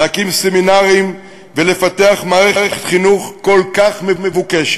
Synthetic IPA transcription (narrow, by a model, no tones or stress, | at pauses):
akimseminaʁim | vele̞fat̪e̞aχmaːʁeʁeχet̪χinuχko̞lkaχmemevukeʃ